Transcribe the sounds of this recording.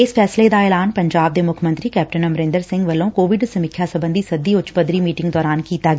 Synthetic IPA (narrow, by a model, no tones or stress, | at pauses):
ɪspʰɛːsled̪aːɛːlaːnpəɲd͡ʒaːb̚d̪eːmʊkʰmə̃nt̪ɾiːkɛːp̚ʈənəmɾẽːnd̪əɾsɪ̃ŋɡʋəlːõːkoːʋɪɖsəmikʰjaːsəbə̃nd̪iːsəd̪iːʊt͡ʃpəd̪ɾiːmiːʈɪ̃ŋɡd̪ɔːɾaːnkiːt̪aːɡɛː